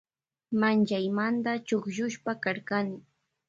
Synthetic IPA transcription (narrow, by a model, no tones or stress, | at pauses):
mant͡ʃajmant̪at͡ʃʊkʃʊʃpakaɾkanɪ